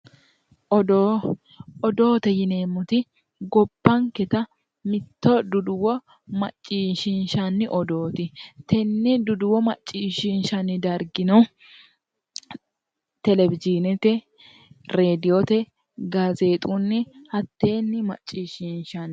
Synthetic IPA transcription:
ɔd̪o | ɔd̪o̞ːt̪ɛjɪneːmːʊt̪ɪ | ɡɔbːɐŋkɛt̪ɐ | mɪt̪ːɔd̪ʊd̪ʊwɔ | mɐt͡ʃʼːiːʃɪnʃɐnːɪʔɔd̪o̞ːt̪ɪt̪ɛnːɪd̪ʊd̪ʊwɔmɐt͡ʃʼːiːʃɪnʃɐnːɪd̪ɐɾɡɪnɐw | t̪ɛlɛbɪd͡ʒinɛt̪ɛ | ɾeːd̪ɪjot̪ɛ | ɡɐzeːt̪ʼunːɪhɐt̪ːe̞ːnːɪmɐ̰t͡ʃʼːiːʃɪnʃɐn

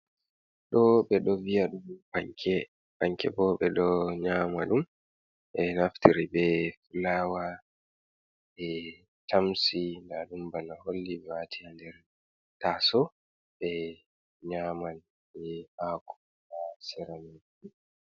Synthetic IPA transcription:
ɗɔɓɛɗɔvijaɗumbaŋkʰɛ | baŋkʰɛ̰bɔɓɛɗɔɲaːmaɗum | ɛnaftiɾibɛfulaːwa | ɛ | tʰamsindaɗumbanaholːiɓɛwatʰiandɛɾ | tasɔ | ɓɛ | ɲaman | ɓɛhaku̥ | asɛɾana

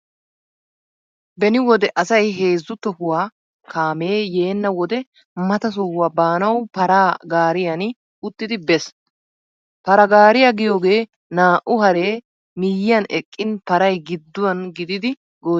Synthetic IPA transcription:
bɛnɪwɔd̪ɛʔɐsɐjɦe̞ːzːʊt̪ɔhʊwaː | kʰaːme̞ːje̞ːnːɐwɔd̪ɛ | mɐt̪ɐs̬ɔhʊwaːbaːnɐwpɐɾaːɡaːɾɪjɐn | ʊt̪ːɪd̪ɪbɛs | pɐɾɐɡaːɾɪjɐɡɪjo̞ːɡe̞ː | naːʔʊhɐɾe̞ː | mɪjɪjɐnɛkʼːɪnpɐɾɐjɡɪd̪ːʊwɐnɡɪd̪ɪd̪ɪ | ɡoː

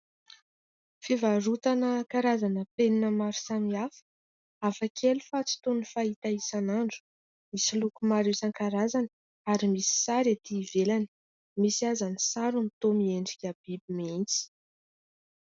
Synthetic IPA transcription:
fivarut̪anəkaɾazanəpeninəmaɾu̥samiafə̥ | afakʰelufat͡si̥t̪unifait̪aisanaɳɖ͡ʐu̥ | misilukumaɾusaŋkaɾazanə | aɾimisi̥saɾat̪iːvelani̥ | misiazanisaɾunit̪omieɳɖ͡ʐikʲab̥ibimint͡si̥

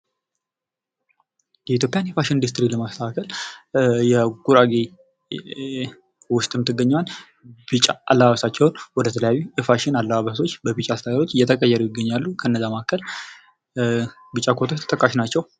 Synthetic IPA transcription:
jɛit̪̬ʰjopʼjanjɛfaʃɪnd̪ɨst̪ʼɾiləmast̪ʰəakʰəl | jɛɡuɾaɡe | wʊst̪ʼɨmt̪ʰːɨɡːəɲːwan | bɨt͡ʃʼaʔalːəβaβəsat͡ʃːɛwʊnwɔd̪ət̪ʰələjawjuɨfaʃɪnalːəβaβəso̞t͡ʃːbəβɨt͡ʃʼast̪ʰad̪aɾo̞t͡ʃːɨjːɛt̪ʰəkʼəjːɛɾujɪɡːəɲːalːukʰəɨnːəzːamakʰːəl | bɨt͡ʃʼːakʰot̪ʰot͡ʃt̪ʰə̥t̪ʼəkʼːaʃnat͡ʃːɛw

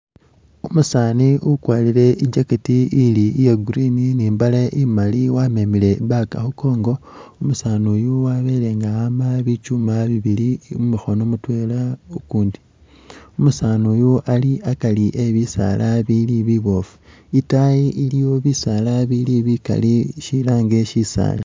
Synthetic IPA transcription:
umusaːniukwaːlile̞iɲɟaketiilijeɡuɾininiːmbalaʔimaliwame̞mile̞βaka̰xuko̞ːŋɡo̞ | umusaːnujowaβe̞ːle̞ŋɡaamaβit͡ʃumaβiβilimumixo̞no̞mutwe̞laukuːndi | umusaːnojoʔaliakaliʔeβisa̰lʔaβiliβiβo̞fu̥ | itaiʔilijo̞βisalaβiliβika̰liʃilaːŋɡe̞ʃisa̰ːla

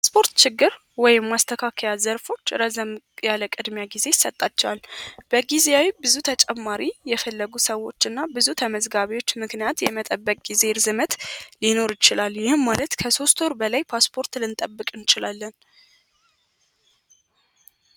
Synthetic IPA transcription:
pspʰo̞ɾt̪t͡ʃɪɡːɨɾ | wɔjɪmːast̪ʰəkʰakʰəjazəɾfo̞t͡ʃːɾəzəmʼ | jaləkʼɨd̪mjaɡize̞jɪsːət̪ʼːat͡ʃːɛwalb̥əɡizeawibɨzut̪ʰət͡ʃʼɛmːaɾijɛfəlːəɡusəwːo̞t͡ʃːɨnːabɨzut̪ʰəməzɡaβiwo̞t͡ʃːmɨknijat̪jɛmət̪ʼəbːəkʼɡ̥ize̞ɾzɨmət̪lino̞ɾjɪt͡ʃɪlalːjɪhɨmmalət̪kʰəso̞st̪oɾbəlajpʰaspʰo̞ɾt̪lɨnt̪ʼəbːɨkʼɨnt͡ʃɪlalːən

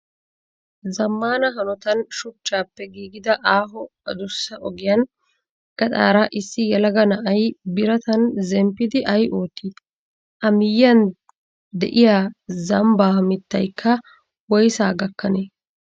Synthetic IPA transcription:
zɐmːaːnɐɦɐnɔt̪ɐnʃʊt͡ʃːaːpːɛɡiːɡɪd̪ɐʔaːɦɔ | ɐd̪ʊsːɐʔɔɡɪjaːn | ɡ̥ɐt̪ʼa̰ːɾaʔɪsːɪjɛlɐɡɐnɐʔɐjbɪɾɐt̪ɐnzɛmpːɪd̪ɪʔɐjʔo̞ːt̪ːiːd̪ | ʔɐmɪjːɐn | d̪ɛ̰ʔɪjaːzɐmbaːhmɪt̪ːɐjkʰːɐ | wɔjsaːɡɐkːɐneː

